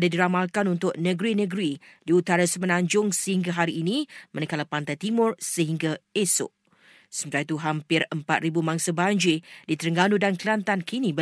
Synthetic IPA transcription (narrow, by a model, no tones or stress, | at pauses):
dadiɾamalkanunt̪ʊk̚nəɡɾinə̃ɡɾidiut̪aɾasəmənãɲd͡ʒʊŋsəhiŋɡaɦaɾiːnĩmə̃nəkalapant̪ajt̪imʊrsəɦiŋɡaesʊ̰ʔ | səmt̪at̪uɦampɪrəmpat̪̚ɾibumaŋsabaɲd͡ʒidit̪əɾəŋɡanudankliant̪ankini